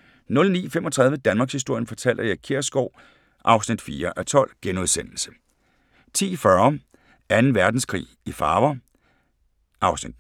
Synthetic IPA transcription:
nɔ̽lnḭːfemʔɒ̽t͡sʰʁɑ̈ð̞ˠʋjəd̥ænmɑ̈ːɡ̥shisd̥o̝ɐ̰jənfɒ̽t͡sʰæl̰d̥ɐjɑ̈kʰiɐ̰sɡ̥ɒʊ̰ | ʔɑ̈ʊsnid̥fiːɐʔæt͡sʰɒ̽l̰ɡ̥enoðˠsen̰l̩sə̥ | t͡sʰḭːfɶɐ | ænn̩ʋæɐd̥n̩skʰʁḭːifɑ̈ːʋɐ | ʔɑ̈ʊsnid̥

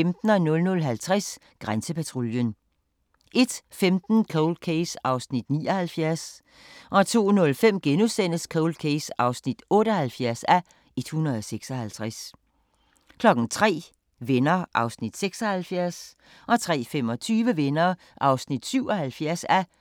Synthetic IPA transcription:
md̥n̩ɒnɔ̽lnɔ̽lɦælt͡sʰʁas | ɡ̥ʁansəpæt͡sʰʁo̝ljən | ʔe̝d̥femd̥n̩kʰoʊld̥̚kʰeɪsɑ̈ʊsnid̥nḭːɒhælfjæɐs | ʔɒ̽t͡sʰo̝̰ːnɔ̽lfem̰ɡ̥enusen̰əskʰoʊld̥kʰeɪsɑ̈ʊsnid̥ɔ̽ːɾəɒhælfjæɐsæ | e̝d̥hunʁɐðˠɒseɡ̥sɒ̽hælt͡sʰʁas | kʰlɒ̽ɡ̥ŋ̩t͡sʰʁɛ̰ː | ʋenɐʔɑ̈ʊsnid̥seɡ̥sɒ̽hælfjæɐs | ʔɒ̽t͡sʰʁɛ̰ːfemɒ̽t͡sʰyːʋəʋenɐː | ʔɑ̈ʊsnid̥syʊ̰ɒ̽hælfjæɐ̰sæ

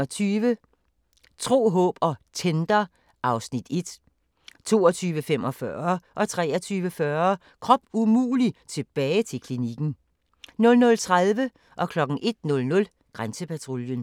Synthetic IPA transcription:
ɒt͡sʰyːʋə | t͡sʰʁo̝̰ːɦɔ̰ːb̥ɒ̽t͡sʰend̥ɐ | ʔɑ̈ʊsnid̥e̝d̥ | t͡sʰo̝̰ːɒt͡sʰyːʋəfem̰ʔɒfɶɐʔɒ̽t͡sʰʁɛ̰ːɒt͡sʰyːʋəfɶɐ | kʰʁɒ̽b̥umṵːlit͡sʰe̝b̥ɛːɪt͡sʰe̝lkʰliniɡ̥n̩ | nɔ̽lnɔ̽lt͡sʰʁaðˠʋə | ʔɒ̽kʰlɒ̽ɡ̥n̩ʔe̝d̥̚nɔ̽lnɔ̽l | ɡ̥ʁansəpʰæt͡sʰʁo̝ljən

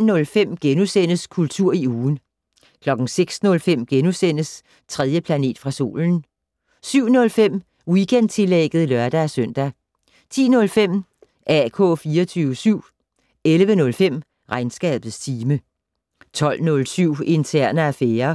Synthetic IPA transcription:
nɔ̽lfem̰ɡ̥enusen̰əskʰult͡sʰuɐ̰iuːn̩ | kʰlɒ̽ɡ̥n̩seɡ̥snɔ̽lfem̰ɡ̥enusen̰əs | t͡sʰʁɛð̞ˠjəpʰlæne̝̰ːd̥fʁɑ̈so̝̰ːln̩ | syʊ̰nɔ̽lfem̰ | wiɡ̥end̥̚t͡sʰe̝leɡ̥ð̞̩ˠlɶɐd̥æːsœn̰d̥æ | t͡sʰḭːnɔ̽lfem̰ | ʔækʰɔ̰̽ːfiːɐt͡sʰyːʊəsyʊ̰ | elʋənɔ̽lfem̰ | ʁɑ̈ɪnsɡ̥ɛ̰ːb̥ð̩ˠst͡sʰiːmə | t͡sʰɒ̽l̰nɔ̽lsyʊ̰e̝nt͡sʰæɐ̰nəæfeːɐ

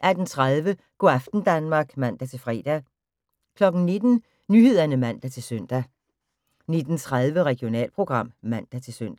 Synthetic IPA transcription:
ʔæɐd̥n̩t͡sʰʁaðˠʋə | ɡ̥oæfd̥n̩d̥ænmɑ̈ːɡ̥mæn̰d̥æt͡sʰe̝lfʁɛ̰ːd̥æ | kʰlɒ̽ɡ̥n̩ne̝d̥n̩ | nyhe̝ð̞̰ˠɐnəmæn̰d̥æt͡sʰe̝lsøn̰d̥æ | ne̝d̥n̩t͡sʰʁað̞ˠʋəʁɛɡ̥ijo̝nɛ̰ːlpʰʁo̝ɡ̥ʁɑ̈m̰mæn̰d̥æt͡sʰe̝lsøn̰d̥æ

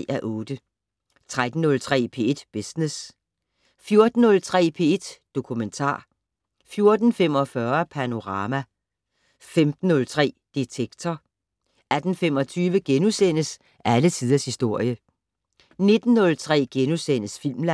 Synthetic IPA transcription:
æʔɔ̽ːd̥ə | t͡sʰʁad̥n̩ːɔ̽lt͡sʰʁɛ̰ːpʰe̝̰ːe̝d̥b̥esnes | fjo̝ɐd̥n̩ːɔ̽lt͡sʰʁɛ̰ːpʰe̝e̝d̥d̥o̝kʰument͡sʰɑ̰̈ː | fjo̝ɐd̥n̩fem̰ɒ̽fɶɐpʰæno̝ʁɑ̈ːmæ | femd̥n̩ːɔ̽lt͡sʰʁɛ̰ːd̥it͡sʰeɡ̥t͡sʰɒ | æd̥n̩femɒ̽t͡sʰyːʋəɡ̥enusen̰əs | ʔælət͡sʰið̞ˠɐshisd̥o̝ɐ̰jə | ne̝d̥n̩ːɔ̽lt͡sʰʁɛ̰ːɡ̥enusen̰əsfil̰mlæ

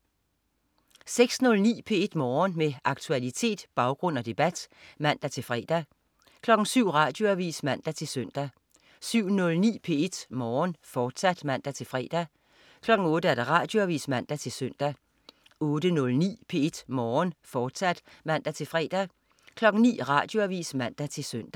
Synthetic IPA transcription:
seɡ̥snɔ̽lnḭːpʰe̝e̝d̥mɒːnmeʔɑ̈ɡ̥̚t͡sʰuælit͡sʰe̝̰ːd̥b̥ɑ̈ʊɡ̥ʁɔ̽n̰ɒ̽d̥e̝b̥æd̥mæn̰d̥æt͡sʰe̝lfʁɛ̰ːd̥æ | kʰlɒ̽ɡ̥n̩syʊ̰ʁɑ̰̈ːd̥jo̝æʋḭːsmæn̰d̥æt͡sʰe̝lsœn̰d̥æ | syʊ̰nɔ̽lnḭːpʰe̝e̝d̥mɒːnfɒːd̥sæd̥mæn̰d̥æt͡sʰe̝lfʁɛ̰ːd̥æ | kʰlɒ̽ɡ̥ŋ̩ɔ̽ːɾ̥əæɐd̥ɑʁɑ̰̈d̥jo̝æʋḭːsmæn̰d̥æt͡sʰe̝lsœn̰d̥æ | ɔ̽ːd̥ənɔ̽lnḭːpʰe̝e̝d̥mɒːnfɒːd̥sæd̥mæn̰d̥æt͡sʰe̝lfʁɛ̰ːd̥æ | kʰlɒ̽ɡ̥n̩nḭːʁɑ̈ːd̥jo̝æʋḭːsmæn̰d̥æt͡sʰe̝lsøn̰d̥æ

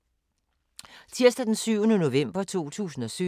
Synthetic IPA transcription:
t͡sʰiɐsd̥æd̥ensyʊ̰nəno̝ʋem̰b̥ɐt͡sʰo̝̰ːt͡sʰṵːsn̩ɒ̽sy

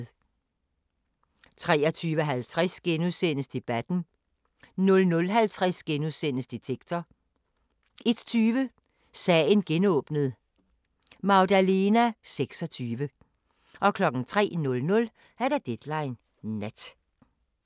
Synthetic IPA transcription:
t͡sʰʁɛːɒt͡sʰyːʋəɦælt͡sʰʁasɡ̥enuðˠsen̰əsd̥e̝b̥æd̥n̩ | nɔ̽lnɔ̽lɦælt͡sʰʁasɡ̥enuðˠsen̰əsd̥et͡sʰeɡ̥̚t͡sʰɐ | e̝d̥t͡sʰyːʋə | sɛnɡ̥enɔ̽ːb̥nəð̩ˠ | mɑ̈ʊdæle̝næseɡ̥sɒ̽t͡sʰyːʋə | ʔɒ̽kʰlɒ̽ɡ̥n̩t͡sʰʁɛ̰ːnɔ̽lnɔ̽l | æɐɾ̥æd̥ed̥lɑ̈ɪnː | æd̥

